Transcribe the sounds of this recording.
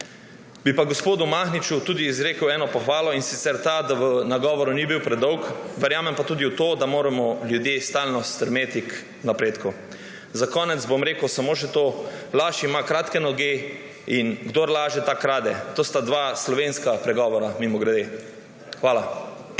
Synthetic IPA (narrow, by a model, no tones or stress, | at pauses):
bipaɡospoːd̪umaxnit͡ʃut̪uːd̪iːzɾeːkəwɛːnɔpɔxʋaːlɔinsit̪sɛɾt̪ad̪aʋənaɡɔːʋɔɾunibiwpɾɛd̪ɔwkʋɛɾjaːmɛmpat̪uːd̪iut̪oːd̪amoːɾamɔljud̪jest̪aːlnɔst̪ɾɛmeːt̪ik | napɾeːt̪ku | zakɔːnɛt̪zbomɾeːkəwsamoːʃɛt̪oːlaːʃimakɾaːt̪kɛnɔɡe | inɡd̪oːɾlaːʒɛt̪akɾaːd̪ɛt̪oːst̪ad̪ʋaslɔʋenskapɾɛɡɔːʋɔɾamimɔɡɾɛd̪e | xʋaːla